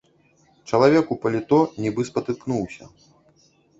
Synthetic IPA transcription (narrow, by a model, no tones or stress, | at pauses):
t͡ʂɐlˠavʲɛkupɐlʲit̪ɔnʲibɨspɐt̪ɨknuwsʲɐ̰